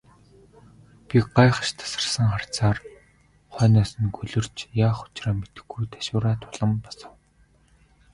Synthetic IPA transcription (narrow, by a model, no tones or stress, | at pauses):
pʲiɢajχə̥̆ʃt̪ʰḁsə̆rsə̆ŋχar̥t͡saːr | χœːnaːsə̆nɡɵɮɵ̆r̥t͡ɕjaːχʊ̥t͡ɕraːmet̪ɘ̥̆xɡujt̪ḁʃʊːɾaːt̪ʰʊɮə̆mpɔsə̆w